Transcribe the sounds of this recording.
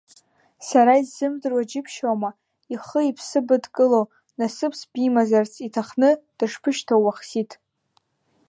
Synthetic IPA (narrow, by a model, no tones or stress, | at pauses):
saɾaizːɨmdɨrwad͡ʒɪpʰʃawma | iχəipʰsɨbɨdkʼɨlo | nasɨpʰsbimazart͡sʰitʰaχnɨd̥ɨʂpʰɨʃtʰawaχsitʰʼ